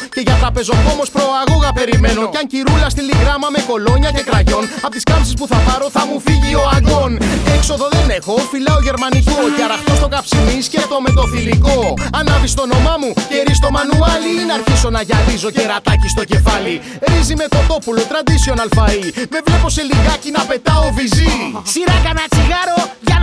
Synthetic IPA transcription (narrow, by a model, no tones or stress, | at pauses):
ce̞ʝɐt̪ɾɐpe̞zo̞ko̞mo̞spɾo̞ɐɣoɣɐpe̞ɾime̞noɐɲciɾulɐst̪iliɣɾɐmɐme̞ko̞lo̞ɲɐce̞kɾɐʝo̞nɐpot̪iskɐmsispuθɐpɐɾo̞θɐmufiʝio̞ɐɡo̞ne̞kso̞ðo̞ðe̞ne̞xo̞filɐoʝe̞ɾmɐniko̞ciɐɾɐft̪ost̪okɐpsimisce̞t̪o̞me̞t̪o̞θilikoɐnɐvist̪o̞no̞mɐmuce̞ɾis̬t̪o̞mɐnuɐliinɐɾçiso̞nɐʝɐɾizo̞ceɾɐt̪ɐcist̪o̞ce̞fɐli | ɾizimet̪o̞t̪o̞pulo̞t̪ɾɐd̪isio̞nɐlfɐime̞vle̞po̞se̞liɣɐcinɐpe̞t̪ɐo̞vizisiɾɐkɐnɐt͡siɣɐɾoʝɐ